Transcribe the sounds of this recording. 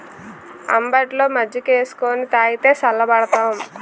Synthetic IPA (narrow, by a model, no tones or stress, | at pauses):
ɐ̰mbɐʈlo̞ːmɐd͡ʒɐkeːsu̥koːnit̪aːjit̪e̞ːsɐlːɐbɐɽɐt̪aːm